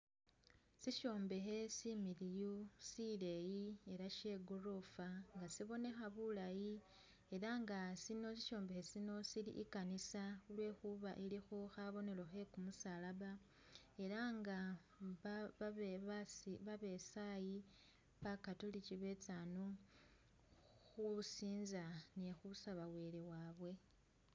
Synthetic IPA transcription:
siʃo̞ːmbe̞xe̞similijusile̞jie̞ɾaʃe̞ɡurofaŋɡasiβo̞ne̞xaβulaji | e̞ɾaŋɡasino̞siʃo̞ːmbe̞xe̞sino̞silḭʔikanisaulwe̞ːxuβaʔilixoxaβo̞ne̞lo̞xe̞kumusalaβa | e̞ɾaŋɡa | βsiβaβe̞saji | βakatulit͡ʃiβe̞t͡saːnu | xusiːnzanexusaβawe̞le̞waːβwe̞

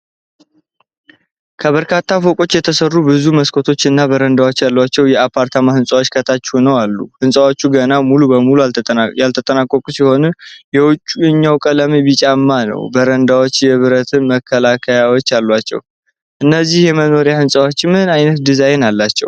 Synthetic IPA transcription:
kʰəβəɾkʰat̪ʰːafokʼo̞t͡ʃːjɛt̪ʰəsərːubɨzuməskʰo̞t̪ʰo̞t͡ʃːɨnːabəɾənd̪awo̞t͡ʃːjalːat͡ʃːɛwjɛapʰːaɾt̪ʰamahɨnsʼawot͡ʃːkʰət̪ʰat͡ʃːɛunəwalːṵhɨnsʼawot͡ʃːuɡənamulubəmulujalt̪ʰət̪ʼənakʼːokʼusiho̞nɨjɛwʊt͡ʃʼːuɨɲːawkʼələmebit͡ʃʼamːanə̰wbəɾənd̪awo̞t͡ʃːjɛβɨɾət̪ʰɨnməkʰːəlakʰəjawo̞t͡ʃːalːat͡ʃːɛ̰w | ʔɨnːəzːihjɛməno̞ɾijahɨnsʼawot͡ʃːmɨnajnət̪d̪izajɛnalːat͡ʃːɛ̰w

